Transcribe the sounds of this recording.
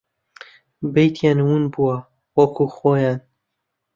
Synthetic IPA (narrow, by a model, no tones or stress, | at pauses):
bejt̪ʰjaːnwunbuwɐ | wɐkʰuxoːjaːn